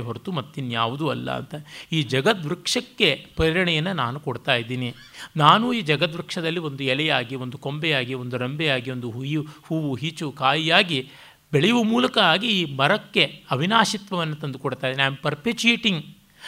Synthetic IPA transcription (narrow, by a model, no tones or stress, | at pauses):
ɦoɾt̪umɐt̪ːinja̰ːʋud̪uɐlːɐ̰ɐ̰nt̪ɐiːd͡ʒɐɡɐt̪̚ʋɾukʂɐkːe̞pɐɾiɾɐɳɛjɐnːɐnaːnukoɽt̪aːjid̪iːni | naːnuiːd͡ʒɐɡɐt̪ʋɾukʂɐd̪ɐlːio̞nd̪uɛlɛjaːɡio̞nd̪uko̞mbɛjaːɡio̞nd̪uɾembɛjaːɡio̞nd̪uɦujuhuːʋuɦit͡ʃukaːjijaːɡi | beɭɛjuʋɐmuːlɐkɐaːɡiiːmɐɾɐkːe̞ɐʋʱinaːʃit̪ʋɐʋɐnːɐt̪ɐnd̪ukoɽt̪aːid̪ːniaːɳɖ̚pɐɾpet͡ʃijeːʈiŋɡ